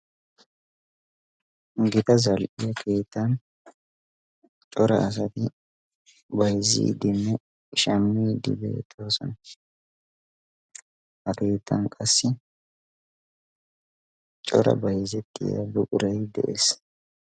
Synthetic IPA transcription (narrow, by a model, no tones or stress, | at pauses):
ɡɪt̪ɐzɐlʔɪjɐkʰe̞ːt̪ːɐn | t͡ʃʼɔɾɐʔːs̬ɐt̪ɪ | bɐjzɪ̰ːd̪ɪnːɛ | ʃɐmːiːd̪ɪ̰bḛːt̪ʰʼːoːsɔ̰nɐ | hɐke̞ːt̪ʰːɐnkʼɐsːɪ | t͡ʃʼɔ̰ɾɐ̰bɐjzɛt̪ːɪjɐ̰bʊkʼʊɾɐjd̪ɛ̰ʔḛːs